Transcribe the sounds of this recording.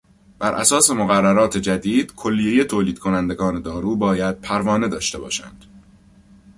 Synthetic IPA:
b̥æɾʔæ̰sɒːse̞moɣærːæɾɒːt̪ʰe̞d͡ʒæd̪iːd̪̥kʰo̞lːije̞jet̪ʰoːliːd̪̚kʰo̞nænd̪e̞ɡɒːne̞d̪ɒːɾuːbɒːjæd̪̥̚pʰæɾvɒːne̞d̪ɒːʃt̪e̞bɒ̰ːʃæ̰nd̪̥

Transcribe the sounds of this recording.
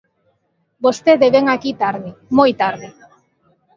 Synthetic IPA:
bost̪eðeβeŋakit̪aɾðimojt̪aɾðɪ

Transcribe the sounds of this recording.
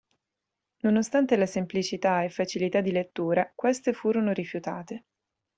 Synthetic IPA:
nonost̪ant̪elasemplit͡ʃit̪aefːat͡ʃilit̪ad̪ːilet̪ːuːɾakwest̪efuːɾonoɾifjut̪aːt̪e

